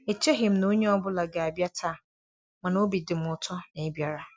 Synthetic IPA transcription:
e˨t͡ʃʰe˦ɦɪ̃˨mnã˨o˦ɲɛ˦ɔ˦bʊ˦la˨ɡa˨bi˦a˦tʰaː˦˨ | mã˨nã˨o˦bi˨dɪ˨mʊ˨˦tʰɔ˦nɪ̃˨˦bi˦a˨ɾa˨

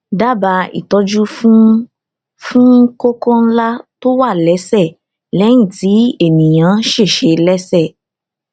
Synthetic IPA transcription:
da˦˨ba˧ḭ˨tɔ˧d͡ʒu˦ | fũ˦ko˦kɔ̃˦n̩˦la˦to˦wa˦˨lɛ˨˦sɛ˦˨ | lɛ̃˨˦ĩ˦˨ti˨˦e˦˨mĩ˨j̃ã˨˦ʃe˦˨ʃe˧lɛ˦sɛ˦˨

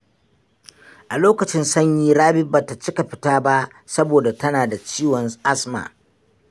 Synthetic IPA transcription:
ʔa˨loː˦kɐ˨t͡ʃɪ˦nsɐ˦ɲjiː˦ɽaː˦bɪ˦baː˨ta˨t͡ʃɪ˦ka˨ɸɪ˦taː˦ba˦ʔ | sɐ˦boː˨da˨tɐ˦naː˨da˨t͡ʃiː˦wɔ˨nʔa˦sma̰ː˨

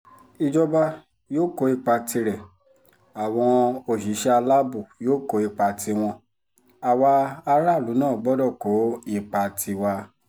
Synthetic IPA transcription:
i˧d͡ʒɔ˧ba˧ | joː˦ko˨˦i˦˨k͡pa˧ti˧ɾɛ˨ | a˨w̃ɔ̃˧o˧˨ʃi˨˦ʃɛ˦a˧la˦bu˦˨joː˦ko˧˦i˧˨k͡pa˧ti˧w̃ɔ̃˧ | a˨waː˧ɾa˦˨lu˨˦nãː˦˨ɡ͡bɔ˨˦dɔ˦˨ko˨˦i˦˧˨k͡pa˧tʰi˧wa˧

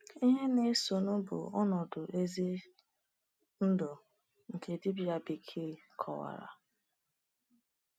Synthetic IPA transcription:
i˦ɦe˦ne˦so˨nʊ˦bʊ̰˨ɔ˦nɔ˨dʊ˨ʔe˦zi˦ | n̩˦dʊ˨ | ŋ̩˨kʰe˨di˦bja˨bi˨kʰi˦˨kʰɔ̰˨wa̰˨ɾa̰˨

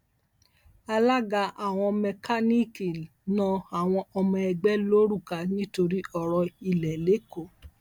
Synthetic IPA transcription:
a˧la˦ɡa˧a˦˨w̃ɔ̃˧mɛ˧ka˦ni˦ki˨ | nã˦a˨w̃ɔ̃˧ɔ˧mɔ̃˧ɛ˧ɡ͡bɛ˦lo˦ɾu˦˨ka˨nĩ˦to˧ɾi˦ɔ˧ɾɔ˧i˨lɛ˨le˨˦ko˦˨

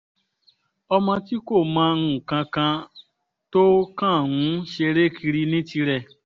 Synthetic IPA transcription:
ɔ˧mɔ̃˧ti˦ko˦˨mãː˦˧nũ˦˨kã˧kã˧ | to˦kã˦˨ŋũ˨˦ʃe˧ɾe˦kʰi˧ɾi˧nĩ˦ti˧ɾɛ˦˨

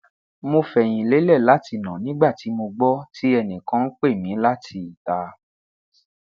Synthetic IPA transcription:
mo˧fɛ˨j̃ĩ˨le˨˦lɛ˦˨la˨˦ti˧nã˨nĩ˦ɡ͡ba˦˨ti˨˦mo˧ɡ͡bɔ˦ti˦ɛ˧nĩ˨kã˦n̩˦k͡pe˦˨mĩ˨˦la˦tʰi˧i˨ta˧˦

